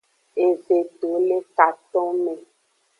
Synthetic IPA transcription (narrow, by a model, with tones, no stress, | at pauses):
e˨ze˨ɖo˨˦le˦ka˨t̪ɔ̃˦mẽ˨